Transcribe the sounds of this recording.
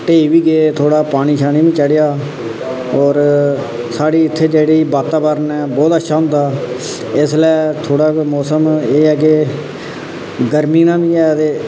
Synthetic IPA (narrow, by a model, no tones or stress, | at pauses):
ʈeːiːʋiːɡeːt̪ʰoːɽaːpaːɽ̃iːʃʰaːniːʋĩːt͡ʃəɽɪjaː | ɔːɾ | saːɽiːɪt̪ʰːeːd͡ʒeːɽiːbaːt̪aːbəɾənɛːbɔːt̪əʃʰaːɦʊ̃nd̪aː | ɪslɛːt̪ʰoːɽaːiːmɔːsəmeːəɡeː | ɡəɾmiːnãːbiːɛːt̪eː